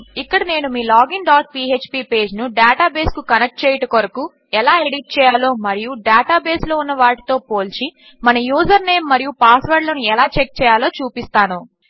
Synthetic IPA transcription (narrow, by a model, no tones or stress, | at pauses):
ikːɐɽɐne̞ːnumiːlaːɡinɖaːʈ̚pie̞ːt͡ʃpiːpe̞ːd͡ʒnuɖaːʈaːbe̞ːskukɐnek̚ʈ̚t͡ʃɛːjɐʈɐkoɾɐku | ɛlaːeɽiʈ̚t͡ʃɛːjaːlo̞ːmɐɾijuɖaːʈaːbe̞ːslo̞ːunːɐʋaːʈi̥t̪o̞ːpo̞ːlt͡ʃi | mɐnɐjuːzɐɾne̞ːmːɐɾijupaːsʋɐɾɖlɐnuɛlaːt͡ʃek̚t͡ʃɛːjaːlo̞ːt͡ʃuːpist̪aːnu